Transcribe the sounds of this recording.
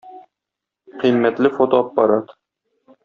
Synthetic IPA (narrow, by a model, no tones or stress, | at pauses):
qʰilmæt̪lɪfot̪oɑpːɑɾɑt̪